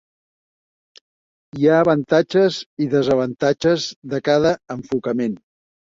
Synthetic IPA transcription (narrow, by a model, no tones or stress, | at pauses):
iaːβənt̪ad͡ʒəziðəzəβ̞ənt̪ad͡ʒəzðəkaðəəɱfukəmen